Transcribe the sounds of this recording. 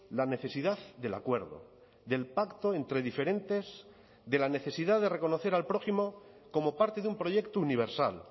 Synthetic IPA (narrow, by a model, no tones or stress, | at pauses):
lane̞θe̞siðaððe̞la̰kwe̞ɾðo̰ | ðe̞lpakt̪o̞e̞nt̪ɾe̞ðifeɾẽ̞nt̪e̞z | ðe̞lane̞θe̞siðaððe̞reko̞no̞θe̞ɾalpɾo̞ximo̞ | ko̞mo̞paɾt̪e̞ðumpɾo̞ʝe̞kt̪ouniβ̞e̞ɾsa̰l